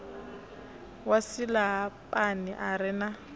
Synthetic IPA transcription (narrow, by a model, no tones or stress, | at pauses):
wasilapʼanɪʔaɾɪna